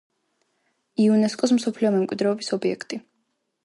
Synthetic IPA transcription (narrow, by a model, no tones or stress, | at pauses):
iɔnɛskʼɔs̬m̩sɔpʰliɔmɛmkʼwid̪ɾɛɔbisɔbiɛkʰt̪ʼi